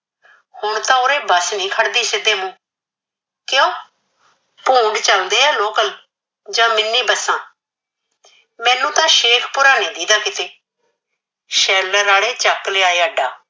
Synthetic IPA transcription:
hʊɳt̪ãːʊɾeːbəsnĩːkʰəɽd̪iːsɪd̪eːmũː | kjõː | pũːɳɖt͡ʃəld̪eːaːloːkəl | d͡ʒãːmɪnːiːbəsːãː | mɛ̃ːnũːt̪ãːʃeːkʰpʊɾaːnĩːd̪iːd̪aːkɪt̪eː | ʃɛːləɾaːɽeːt͡ʃəkleːaːeːəːɖaː

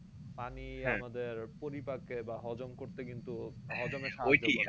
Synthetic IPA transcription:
paniamad̪eɾpoɾipakebaɦɔd͡ʑomkoɾt̪ekint̪uɦɔd͡ʑomeʃaojd͡ʑi

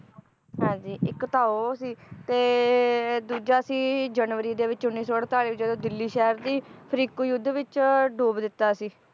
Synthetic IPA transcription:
ɦɛ̃ːd͡ʒiːɪkt̪aːoːsiːt̪eː | d̪uːd͡ʒaːsĩːd͡ʒənʋəɾiːd̪eːʋɪt͡ʃʊnːiːsoːəɽ̚t̪aːliːɪd͡ʒd̪õːd̪ɪlːiːʃɛːəɾd̪iːpʰəɾiːkuːjʊd̪ːʋɪt͡ʃɖoːbd̪ɪt̪ːaːsiː

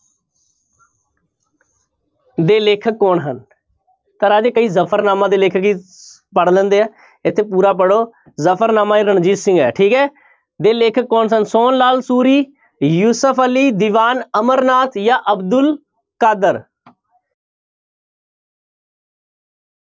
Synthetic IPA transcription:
d̪eːleːkʰəkːɔːɳɦən | t̪əɾaːd͡ʒeːkəiːzəpʰəɾnaːmãːd̪eːleːkʰəkiː | pəɽlə̃ːnd̪eːaː | ɪt̪ʰːeːpuːɾaːp̬əɽoː | zəpʰəɾnaːmãːiɾəɳd͡ʒiːt̪sɪ̃ŋɡɛ̰ːʈʰiːkɦɛː | d̪eːleːkʰəkːɔːɳsənsoːnlaːlsuːɾiː | juːsəpʰəliːd̪iʋaːnəməɾnaːt̪ʰjaːʔəbd̪ʊl | kaːd̪əɾ

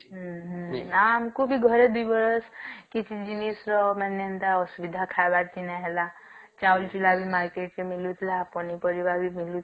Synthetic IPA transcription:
ɦɦamkobʱiɡʱʌɾed̪uibʌɾəskit͡ʃʰid͡ʒinisɾɔmɛnent̪aɔsubid̪ʱakʰaebad̚t̪inaɦela | t͡ʃault͡ʃilabʱimaɾkeʈt͡ʃemilut̪ʰlapɔnipəɾibabimilut̪ʰ

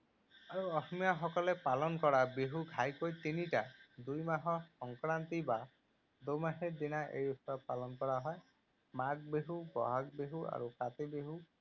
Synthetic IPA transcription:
aɾuɔsmijaɦɔkɔlepalɔnɔkɔɾabeɦuɡʱajkojt̪iniʈad̪ujmaɦɔsɔŋkɾant̪iba | d̪ujmaɦed̪inaʔḛjusɔɾpalɔnɔkɔɽaɦɔe | maɡ̚beɦubɔ̰ɦaɡbeɦua̰ɾukat̪ibeɦu

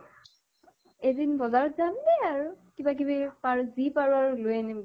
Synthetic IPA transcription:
edinbɔzaɹɔzamdɛaɹukibak̬ibipaɹuzipaɹuaɹulojɛnim

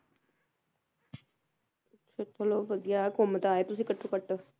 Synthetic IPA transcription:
t͡ʃʰot̪ʰoloːʋəd̪ijaːkoːmət̪aːeːt̪ʊsĩːkəʈʰːoːkəʈ

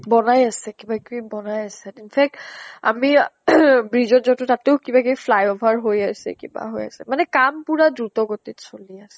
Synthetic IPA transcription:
bɔnajasɛkibakibɔnajasɛinpʰɛk̚ta̰mi | bɹizɔt̚zɔtʊtateʊkibakifʰlajɔbʱaɹɦojasɛ̰kḭba̰ɦoja̰sɛmanɛkampuɹadɹutɔɡotitsoliasɛ̥

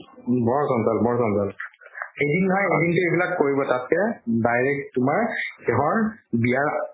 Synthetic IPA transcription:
bɔɹɔsɔnsalbɔɹɔsɔnzalxejdinːɔjejdintʊejbilakːoɹibɔtat̚kɛdajɹɛk̚tʊmaɹkɛɦɔɹbijaɹ

